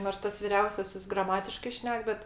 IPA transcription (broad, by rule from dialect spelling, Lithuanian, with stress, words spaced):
noːrs ˈtɐs ʋʲɪˈrʲɛʊsʲɛsʲɪs ɡrɐˈmɑːtʲɪʃkɐɪ ˈʃʲnʲɛk ˈbʲɛt